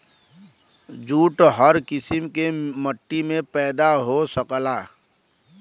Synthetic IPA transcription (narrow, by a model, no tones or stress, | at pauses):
d͡ʒuːʈɦəɾkɪsɪmkeməʈːimẽpɛːd̪aɦosəklaː